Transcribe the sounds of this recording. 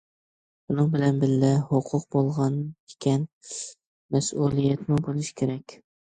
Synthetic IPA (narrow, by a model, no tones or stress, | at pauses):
bunɨŋbɪlɛnbɪllɪhoqʰʊq̚bolˠʁɑnɪ̥kʲʰɛn | mɛsulˠijɛt̪mʊbolˠɨʃkʲʰeɾɛkʲ